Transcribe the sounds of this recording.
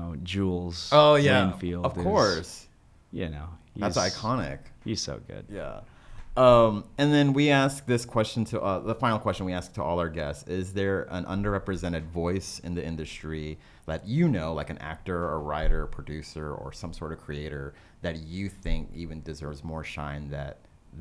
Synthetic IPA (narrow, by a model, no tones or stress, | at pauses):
oʊd͡ʒulˠz̥oʊjæ̃nfilˠʌv̥kʰɔɹs | jɨ̰no̰ʊhðætsðiaɪkʰɑnɪ̰khiz̥so̰ʊɡʊ̰d̥̚jæ̰ | ʌ̃mɨ̃nðɨ̃nwiæsk̚ðɪskʰw̥ɛst͡ʃɨ̃n̩tʰɨʔʌðəfãɪ̃nl̩ˠkʰw̥ɛst͡ʃnwiæsk̚tʰəɔlˠaʊə˞ɡɛstsɪzðə˞ə̰̃nʔʌ̰̃ndə˞ɹɛpɹɨzɛ̃ɾ̃ɨdvɔɪsɨ̰̃nðiɪ̃ndɨstɹ̥i | lɛt͡ʃɨnoʊlaɪkɨ̃næ̰k̚tə˞əɹaɪɾə˞pʰɹ̥ɨdʉsə˞ə̰˞sʌ̃msɔɹɾʌv̥kʰɹ̥ieɪɾə˞ | ðɨt͡ʃɨθɪ̃ŋkivɨ̃ndɨzɜ˞vzmɔɹʃã̰ɪ̃nðɨ̰t̪̚